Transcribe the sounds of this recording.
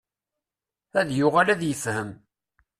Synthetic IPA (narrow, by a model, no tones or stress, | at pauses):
æðjʊʁalæðjəfhəm